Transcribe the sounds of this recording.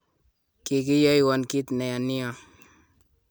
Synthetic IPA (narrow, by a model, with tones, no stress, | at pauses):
ki˨ki˦ja˦jwa˨nki˦t̪ne˨ja˨ni˦ja˦